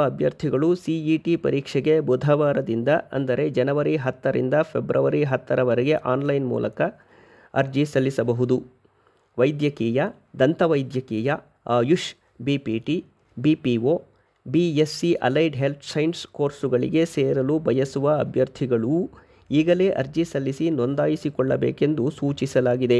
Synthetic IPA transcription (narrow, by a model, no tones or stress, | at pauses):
ɐɐbʱjɐɾt̪ʰiɡɐɭusiiʈipɐ̰ɾiːkʂɛɡe̞bud̪ʱɐʋaːɾɐd̪ind̪ɐɐ̰nd̪ɐɾe̞d͡ʒɐnɐʋɐɾiɦɐt̪ːɐɾḭnd̪ɐpʰebɾʔɐʋɐɾiɦɐt̪ːɐɾɐʋɐɾeɡe̞ʔaːnlɐjnmṵːlʔɐkɐ | ɐɾd͡ʒisɐlːisɐbɐɦud̪u | ʋɐjd̪jɐkiːjɐ | d̪ɐnt̪ɐʋɐjd̪jɐkiːjɐː | juʂ | bipiːʈi | bipioː | biesːiʔɐ̰lɐjɖɦe̞lp̪ʰsɐjnsko̞ːɾsuɡɐɭḭɡe̞seːɾɐlubʱɐjɐsuʋɐɐbʱjɐɾt̪ʰiɡɐɭu | iːɡɐle̞ʔɐ̰ɾd͡ʒisɐlːisino̞nd̪aːjisikɔɭːɐbeːke̞nd̪usuːt͡ʃisɐlaːɡid̪e̞